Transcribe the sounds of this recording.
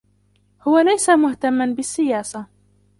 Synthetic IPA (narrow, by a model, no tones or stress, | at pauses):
hʊwalajsamʊht̪amːanbɪsːɪjaːsa